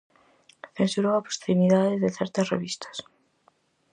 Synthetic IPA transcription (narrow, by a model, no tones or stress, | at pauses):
θensuɾowɐpɾosimiðaðeðeθɛɾt̪ɐsrḛβist̪ʰɐ̥s